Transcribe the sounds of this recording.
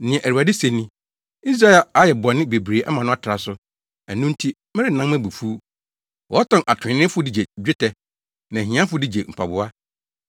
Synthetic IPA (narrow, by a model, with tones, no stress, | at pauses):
nɪ̃˨ɛ̃˨ʔæ˨ɾu˨a˨dɪ˦se˨nːĩ˦ | i˦s̬ɾa˦e˦˨la˨a˨˦jɛ˨bɔ˨nːɪ̃˦be˨bɾeː˨˦ʔa̰˦mã˨nʊ̃˦a˦tʰɾa˨sʊ˦ | æ˨nʊ̃˦n̩˦tʰi˦ | mɪ˦ɾɪ˦˨nã˦m˦mæ̃˦bu˨fu˦ | wɔ˨˦ɔ˦tʰɔ̃˨nʔa˨tʰʊ̃˨ɪ̃˨nɪ̃˦fʊ˦di˦d͡ʑe˨d͡ʑᶣɪ˦tʰɛ˦ | nã˨ɦĩ˨˦ã˦fʊ˦di˦d͡ʑe˨m̩˨pʰa˨bʊ˦a˦